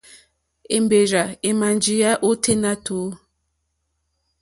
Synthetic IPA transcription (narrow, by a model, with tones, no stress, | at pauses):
e˨mbe˨ɾa˨e˨ma˨nd͡ʒi˨ja˦ʔo˦tʰe˦na˦tʰoː˨˦